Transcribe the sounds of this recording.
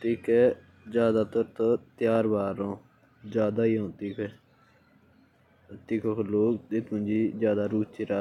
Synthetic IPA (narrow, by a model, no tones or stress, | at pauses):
t̪iːkeː | d͡ʒjaːd̪aːt̪əɾt̪ot̪jaːɾʋaːɾõː | d͡ʒjaːd̪aːiːõːt̪iːkʰeː | t̪iːkʰoːkʰloːk̪ɪt̪mʊ̃nd͡ʒiːzjaːd̪aːɾuːt͡ʃiːɾaː